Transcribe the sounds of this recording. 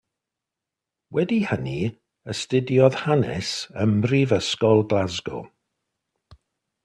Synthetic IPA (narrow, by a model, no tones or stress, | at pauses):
wɛdihəni | əstɪdjɔð̥hanɛ̰səmrivəskɔlˠɡlazɡɔ̰